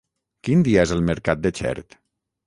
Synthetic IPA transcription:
kind̪iaezəlˠməɾkat̪̚d̪ət͡ʃɛ̰ɾt̪

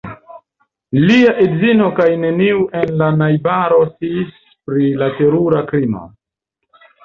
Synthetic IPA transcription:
liaʔedzino̞kajne̞niuʔe̞nlanajbaɾo̞sis | pɾilate̞ɾuɾakɾimo̰

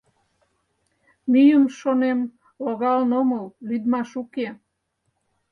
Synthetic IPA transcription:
mijumʃonem | ɔɡalnomowlid̪maʃuke

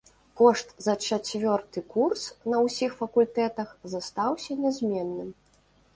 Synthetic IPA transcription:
kɔʂt̪zɐt͡ʂat͡sʲvʲɔrt̪ɨkursnɐwsʲixfɐkulʲt̪ɛt̪ɐxzast̪awsʲɐnʲɛzʲmʲɛnːɨm

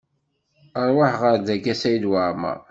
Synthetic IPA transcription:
əɾˤwaħʁəɾd̪ækːæsæjd̪waʕma̰

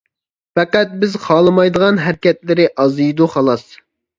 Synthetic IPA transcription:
fɛqæt̪̚bɪzχɑːlˠɨmɑjd̪əʁɑnɦæɾkʲɛt̪lɪɾɪʔɑzɨjd̪uχɑlˠɑs

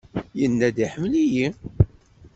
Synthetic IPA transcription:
jənːæd̪iħəmːliji

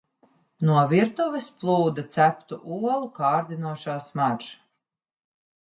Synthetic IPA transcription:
nuɔviɾt̪uvɛsplˠuːd̪at̪sæpt̪uʔuɔlˠukaːɾd̪inuɔʃaːsmaɾʒ

